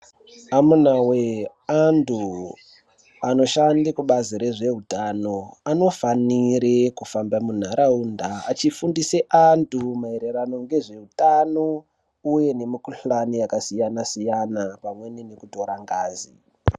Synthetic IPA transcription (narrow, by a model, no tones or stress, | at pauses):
amunawe | antʰu | ano̞ʃandikuɓaziɾe̞ʐe̞ɦutano̞ano̞faniɾekufambamun̤aɾʔaunda̰ːt͡ʃifundiseʔantumaeɾerano̞ŋɡe̞ʐe̞ɦutano | uje̞ne̞mikuɬanijakasijanasijanapamwe̞ninekuto̞ɾaŋɡaːzḭ